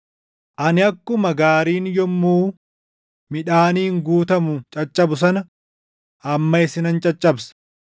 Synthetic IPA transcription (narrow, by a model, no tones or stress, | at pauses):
ʔɐnɪɐkːʊmɐɡaːɾiːnjɔmːuː | mɪᶑaːniːŋɡuːt̪ɐmʊt͡ʃʼɐt͡ʃʼːɐbʊs̬ɐnɐ | ʔɐmːɐɪsɪnɐnt͡ʃʼɐt͡ʃʼːɐbsɐ̥